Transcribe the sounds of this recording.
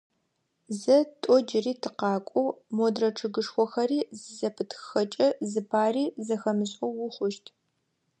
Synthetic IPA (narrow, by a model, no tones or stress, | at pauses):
zɐtʼɔd͡ʒɪriːtʰɨqɑːkʷʼɔwmodrɐʈ͡ʂʰɨɡɨʂxʷɔxɐriːzɨzɐpʰɨtʰxxɐt͡ʃʼɐzɨpʰaːriːzɐxɐmɨɕʼɔwʊχʷʊʃtʰ